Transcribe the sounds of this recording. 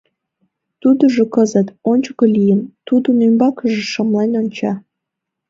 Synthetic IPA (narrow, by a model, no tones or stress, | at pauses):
t̪ud̪oʒokəzət̪onʲt͡ɕokolʲijənt̪ud̪ənymbɑkəʒĕʃəmlenʲonʲt͡ɕɑ